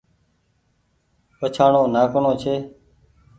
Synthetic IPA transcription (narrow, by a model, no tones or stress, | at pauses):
pət͡ʃʰaːɳõːnaːkɳõːt͡ʃʰeː